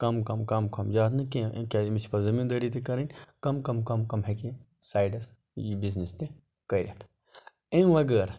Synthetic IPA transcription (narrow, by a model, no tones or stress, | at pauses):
kɐmkɐmkɐmkɐmd͡ʒaːt̪nɨkekʲamisʰpɐɾzɐmiːnd̪ɐɾit̪ekɐɾɐnʲkɐmkɐmkɐmkɐmɦeki | saːjɖɐs | biznist̪ẽ | kɐɾʲɐ̰t̪ʰ | ẽʋɐɡɐɾ